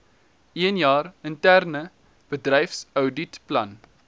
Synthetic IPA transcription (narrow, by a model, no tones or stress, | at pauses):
iənjɑːrəntærnə | b̥ədrɛjfsəwditplɐ̰n